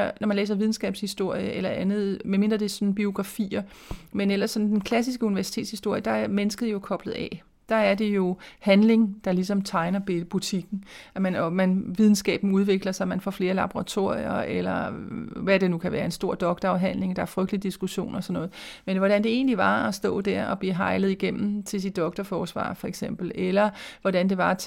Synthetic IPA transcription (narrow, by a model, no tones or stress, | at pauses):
nɒmænlḛːs̬ɐʋið̞ˠn̩sɡ̥ɛ̰ːb̥shisd̥o̝ɐ̰jəʔelɐʔænð̞̩ˠmeme̝nd̥ʁɐd̥e̝sɒ̽nn̩b̥io̝ɡ̥ʁɑ̈fḭːɐ | menelɐsːɒ̽nn̩d̥enkʰlæsisɡ̥əuniʋæɐsi̥t͡sʰe̝ːdshisd̥o̝ɐ̰jəd̥ɑ̈æɐmenəsɡ̥əð̞̩ˠjo̝kʰɒ̽b̥ləð̞̩ˠɛ̰ | d̥ɑ̈æɐd̥e̝jo̝hænle̝ŋd̥ɑ̈lisɒ̽mt͡sʰɑ̈ɪnɐb̥ut͡sʰiɡ̥n̩æmænɒmænʋið̞ˠn̩sɡ̥ɛ̰ːb̥n̩uð̞ˠʋe̝ɡ̥lɐsɑ̈mænfɒ̰ːfle̝ːɐlɑ̈b̥oʁɑ̈t͡sʰo̝̰ɐ̰jɐ̰elɐʋæd̥e̝nukʰæʋæːɐe̝nsd̥o̝ɐ̰d̥ɒ̽ɡ̥̚d̥ɐɒɦæn̰le̝ŋd̥ɑ̈æɐfʁœɡ̥̚d̥lid̥isɡ̥uɕo̝̰ːnɒsɒ̽nːɔ̽ːð̩ˠmenʋɒɾ̥ænd̥e̝e̝̰ːnliʋɑ̈ɒ̽sd̥ɔ̰̽ːd̥æɐ̰ɒ̽b̥lḭːɦɑ̈ɪləð̞̩ˠiɡ̥em̰m̩t͡sʰe̝lsid̥ːɒ̽ɡ̥d̥ɐfɒːsʋɑ̰̈ːfɒ̽eɡ̥sem̰b̥l̩elɐʋɒɾænd̥e̝ʋɑ̈